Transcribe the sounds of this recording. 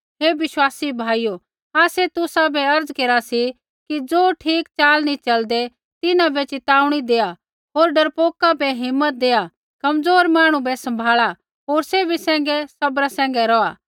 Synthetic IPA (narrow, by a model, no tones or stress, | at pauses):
ɦeːʋɪʃwaːsibʱaːijo | aːset̪ʊsabɛɐɾd͡zkeːɾasi | kid͡zoːʈʰiːkt͡ʃaːlnĩt͡ʃɐld̪e | t̪ɪnãbet͡ʃɪt̪aːʊɽ̃id̪eːa | ɦoːɾɖɐɾpoːkabɛɦɪmːət̪̚d̪eːa | kɐmd͡zoːɾmaːɽ̃ũbɛsɐ̃mbʱaːɭa | ɦoːɾsebʱisɛ̃ːŋ̆ɡɛsɐbɾasɛ̃ːŋɡɛɾɔːaː